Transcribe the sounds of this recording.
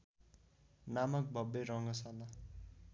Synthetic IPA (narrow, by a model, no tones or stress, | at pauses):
namʌk̚bʱʌbeɾʌŋɡʌsʌnʌ